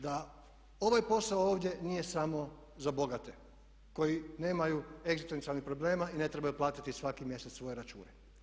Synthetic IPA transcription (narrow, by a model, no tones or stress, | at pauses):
d̪a | o̞ʋajpo̞saooːʋd̪je̞nije̞samo̞ | zabo̞ɡat̪e | ko̞jine̞ːmajue̞ɡzist̪e̞nt̪ialnixpɾo̞ble̞ːmaine̞t̪ɾe̞bajuplˠaːt̪it̪isʋakimje̞set̪sʋo̞jeɾat͡ʃṵːne